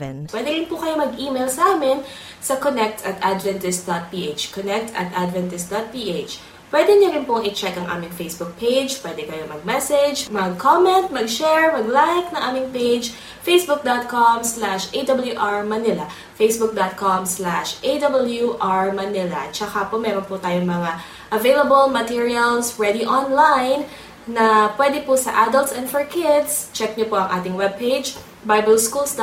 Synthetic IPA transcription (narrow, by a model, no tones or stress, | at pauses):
ɛnpwɛːd̪ɪɾɪnpʊkɐjomɐɡʔiːmejlsɐʔaːmɪn | sɐkonɛk̚t̪ʰɐt̪ʔad̪vɛnt̪ɪst̪̚d̪ot̪̚piːʔet͡ʃkonɛk̚t̪ʰɐ̰t̪ʔad̪vɛnt̪ɪst̪d̪ot̪̚piʔet͡ʃ | pwɛd̪ɛnʊɾɪnpʊŋɪt͡ʃɛkɐŋʔa̰ːmɪŋfejsbʊk̚pʰejd͡ʒpwɛːd̪ɛkɐjomɐɡ̚mɛsɛd͡ʒmɐɡ̚kʰomɛnt̪̚mɐɡʃɛɹmɐɡlajk̚nɐŋʔaːmɪŋpejd͡ʒ | fejsbʊk̚d̪ot̪̚komslaʃʔejd̪ɐbɐljuʔaɹmɐnɪlɐ | fejsbʊk̚d̪ot̪̚komslaʃʔed̪ɐbɐljuʔaɹmɐnɪlɐ̰t͡ʃɐkapomɛɾonpʊt̪aːjoŋmɐŋa | ʔɐvejlɐbɐlmɐt̪iɹiɐlsɹɛd̪iʔɔnlajnː | ɐpwɛːd̪ɛpʊsɐ̰ʔaːd̪ɐlt̪sɛ̃nfɛɹkɪd̪st͡ʃɛk̚ɲopoʔɐŋʔaːt̪ɪŋwɛb̚pejd͡ʒ | bajbɛlskulsd̪